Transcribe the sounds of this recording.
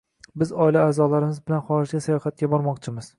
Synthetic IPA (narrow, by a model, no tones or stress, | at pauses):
bɪzɒɪlaːzɒlaɾɪmɪzbɪlanχɒɾɪʒɡʲasajɒhat̪̚kʲabɒɾmɒqt͡ʃʰɪmɪz̥